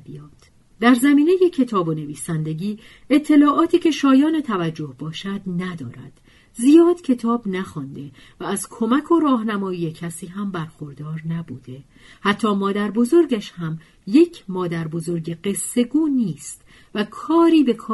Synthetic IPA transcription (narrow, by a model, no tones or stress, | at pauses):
bijɒːt̪ʰ | d̪̥æɾzæmiːne̞je̞cʰe̞t̪ʰɒːbo̞ne̞viːsænd̪e̞ɟiː | e̞t̪ʰːe̞lɒːʔɒːt̪ʰiːcʰe̞ʃɒːjɒːne̞t̪ʰævæd͡ʒːo̞hbɒːʃæd̪næd̪ɒ̰ːɾæ̰d̪̥ | zijɒːd̪̥cʰe̞t̪ʰɒːbnæxɒːnd̪e̞ | væːzkʰo̞mækʰo̞ɾɒːɦnæmɒːjiːje̞cʰæsiːɦæmbæɾxo̞ɾd̪ɒːɾnæbṵːd̪̥e̞ | hæt̪ʰːɒːmɒːd̪æɾbo̞zo̞ɾɟæʃhæm | je̞cʰmɒːd̪æɾbo̞zo̞ɾɡeɢe̞sːe̞ɡuːniːst̪ | vækʰɒːɾiːbe̞kʰɒː